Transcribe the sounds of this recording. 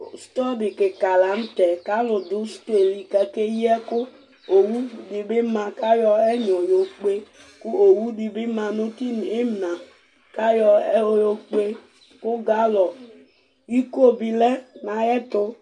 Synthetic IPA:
st̪ɔ˦bi˨ke˨ka˨la˨˦n̩˦t̪ɛ˨ka˦lʊ˨d̪ʊ˦st̪o˦e˨li˨ka˦ke˦ji˦ɛ˦kʊ˦ | o˨wu˦di˨be˦mã˨ka˦jɔ˦ɛ˦ɲɔ˨jo˨k͡pe˦ | kʊ˦o˨wu˦di˨be˦mã˨nũ˦t̪i˦n˨e˦m˨nã˨ | ka˦jɔ˧˦jo˨k͡pe˦ | kʊ˦ɡa˦lɔ˨ | wi˦ko˦bi˨lɛ˦nã˨jɛ˦t̪ʊ˦

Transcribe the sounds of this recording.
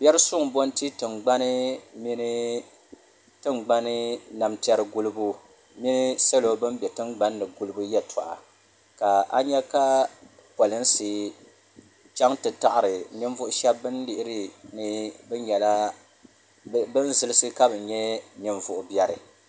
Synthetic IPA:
b̥jɛ˦ɾɨ˦sʊ˦ŋbo˦n˦ti˦tɨ˨ŋɡ͡ba˦nɨ˦mi˦n˦ | tɨ˦ŋɡ͡ba˦nɨ˦na˨mtɛ˦ɾɨ˦ɡu˦lɨ˦bu˦ | mi˦nɨ˦sa˦lo˨bɨ˦mbɛ˨tɨ˦ŋɡ͡ba˦nːɨ˨ɡu˦lɨ˦bu˦jɛ˦tʰa̰˨ʔa̰˨ | ka˨ʔa˦ɲɛ˦ka˦ | pɔ˨lɨ˦n˦sɨ˨ | t͡ʃa˦ŋtɨ˨ta˦˨ʔa˦˨ɾɨ˨nɨ˦ɱvʊ˦ʔʊ˦ʃɛ˦bːɨ˦nlɪ˦˨ʔɪ˦ɾɨ˦nɨ˦bɛ˦ɲɛ˨la˦ | bɨ˦nzɨ˦lɨ˦sɨ˦ka˦bɨ˨ɲɛ˦nɨ˨ɱvʊ˨ʔʊ˨bjɛ˦ɾɨ˨

